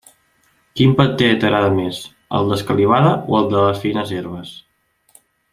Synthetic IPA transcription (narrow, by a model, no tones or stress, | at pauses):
kimpət̪ːet̪əɾaðəmes | ə̰lˠd̪əskəliβ̞aðəʔoəlˠd̪ələsfinəzeɾβəs